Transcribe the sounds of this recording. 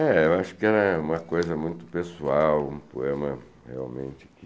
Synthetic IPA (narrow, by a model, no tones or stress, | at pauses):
ɛewaʃʊ̥kɪɛɾɐũmɐkojzɐmũj̃t̪ʊ̥pesuawũpoẽmɐ | hḛa̰wmḛ̃nt͡ʃɪki